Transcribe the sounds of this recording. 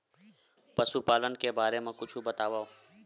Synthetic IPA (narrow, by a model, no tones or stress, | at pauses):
pəsuːpaːlənkebaːɾeːmãːkʊt͡ʃʰubət̪aːʋaː